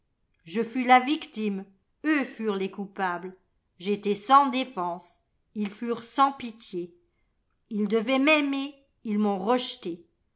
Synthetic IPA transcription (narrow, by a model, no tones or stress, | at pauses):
ʒəfylavikt̪im | øfyʁlekupabl | ʒet̪ɛsɑ̃d̪efɑ̃s | ilfyʁsɑ̃pit̪je | ild̪əvɛmɛme | ilmɔ̃ʁəʃt̪e